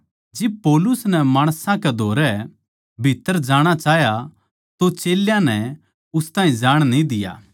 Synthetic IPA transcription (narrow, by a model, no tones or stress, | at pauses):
d͡ʒɪb̚pɔːlʊsnɛmaːɽ̃sãkɛd̪ʱoːɾɛ | bʱɪt̪ːəɾd͡ʒaːɽ̃at͡ʃaːɦja | t̪ot͡ʃeːljãnɛ | ʊst̪ãːɦĩd͡ʒaːɽ̃nĩd̪ɪja̰ː